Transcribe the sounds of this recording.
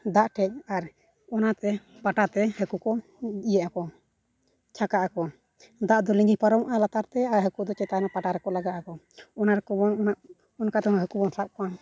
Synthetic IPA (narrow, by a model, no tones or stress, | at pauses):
d̪aʔʈʰɛc̚aɾ | ɔnat̪ɛ | paʈat̪ɛhɛkukɔ | ijɛʔakɔ | t͡ʃʰakaʔakɔ | d̪aʔd̪ɔlĩŋɡipaɾɔmʔalat̪aɾt̪ɛaɾɦɛkud̪ɔt͡ʃɛt̪anapaʈaɾɛkɔlaɡaakɔ | ɔnaɾɛkɔbɔnnaʔ | ɔnkat̪ɛhɔɔɦɛkubɔnsaʔ̚kɔa